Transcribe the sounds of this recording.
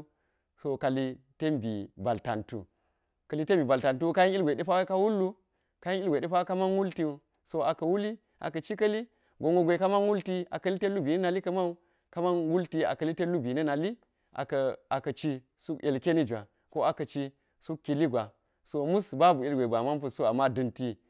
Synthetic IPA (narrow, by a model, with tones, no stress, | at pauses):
so˨ka˨li˦te˦mbḭ˨ba˨lta̰˨ntṵ˨ | kɐ˨li˦te˦mbi˨ba˨lta˨ntu˦ka˦ji˦n˦i˦lɡʷe˨de˦pa˦wa˦ka˦wu˦lːu˦ | ka˦ji˦i˦lɡʷe˨ɗe˦pa˦wa˦ka˦ma˦nwu˦lti˦u˨ | so˦a˨kɐ˨wu˦li˦ | ʔa̰˨kɐ˨t͡ʃi˦kɐ˦li˦ | ɡo˨ŋɡo˨ɡʷe˨ka˦ma˦nwu˦lti˦a̰˨kɐ˦li˦te˦lu˦bi˨nɐ˦na˨li˦kɐ˦ma˦u˦ | ka˦ma˦nwu˦lti˦a̰˨kɐ˨li˦te˦lu˦bi˨nɐ˦na˨li˦ | ʔa̰˨ka˨kɐ˨t͡ʃi˦ | su˦ke˨lke˦ni˦d͡ʒa˨ | ko˦a˨kɐ˨t͡ʃi˦ | su˦kːi˨li˦ɡʷa˨ | so˨mu˦sba˦bu˨i˦lɡʷe˨ba˨ma˦np̬u˦˨so˦a˨mːa˦dɨ˨nti˦